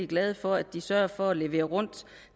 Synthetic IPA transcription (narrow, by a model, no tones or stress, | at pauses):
iɡ̥lɛːð̞ˠfɒ̽æd̥isɶɐ̰fɒ̽æle̝ʋe̝̰ːɐʁɔ̽n̰d̥